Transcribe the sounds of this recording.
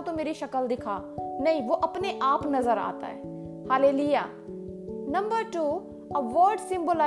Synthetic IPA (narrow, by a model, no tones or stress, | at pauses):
t̪õmeːɾiʃɐkəld̪ɪkʰaːnɐɦĩʋoʔɐpneʔaːpnɐzəɾa̰ːt̪a̰ɦɛː | haːleːlujaː | nɐ̃mbəɾʈuː | ɐʋɔːɾɖsɪ̃mbola